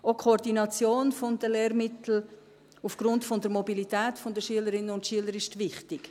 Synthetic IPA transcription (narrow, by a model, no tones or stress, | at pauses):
okʰoːɾdinɑt͡sjoːnfond̥əlɛːɾmɪtl̩ | ufɡ̥ɾʊntfɔndəɾmɔbilitɛːtfɔndəʃyələɾɪnənʊntʃyələɾɪʃtvɪχtɪk